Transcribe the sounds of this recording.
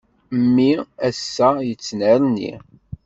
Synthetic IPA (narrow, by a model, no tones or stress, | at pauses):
mːiæsːæjət͡sːnəɾnḭ